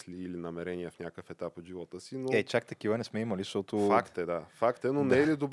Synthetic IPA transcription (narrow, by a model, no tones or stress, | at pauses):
sliːlinɐmɛɾɛnijɛfnʲakəfɛt̪apod̪ʒivɔt̪əsinoɛt͡ʃak̚t̪ɐk̟ivənɛsmɛimɐliʃt̪ɔt̪ʊfakt̪ɛd̪afakt̪ɛnonɛɛlid̪ob